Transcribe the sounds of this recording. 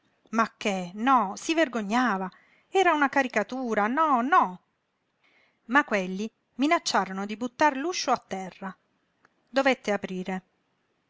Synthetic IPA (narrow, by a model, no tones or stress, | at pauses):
makːenɔsiverɡoɲːaːva | ɛːɾaunakaɾikat̪uːɾanɔnɔ | makːwelːi | minat͡ʃːaːɾonod̪ibut̪ːarluʃːoat̪ːɛrːa | d̪ovet̪ːeapɾiːɾe